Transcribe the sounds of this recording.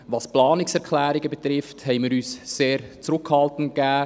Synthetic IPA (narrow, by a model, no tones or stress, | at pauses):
ʋɑsplɑːnɪksɛʁkʰlæːɾɪɡəbɛt̪ɾɪfthɛɪmiːɾyːsseːɾt͡sɾʊkhɑltən̩t̚kæː